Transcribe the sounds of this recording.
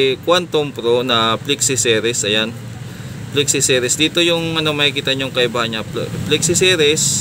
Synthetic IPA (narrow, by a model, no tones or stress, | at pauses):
kwant̪ompɾonɐplɛksɪsɛɾɛsɐjan | plɛksɪsɛːɾɛsd̪iːt̪o̞jʊŋɐnomɐhɪkiːt̪ɐɲʊŋkɐʔɪbaːhɐɲɲaplɛk̚sɪsɛɾɛs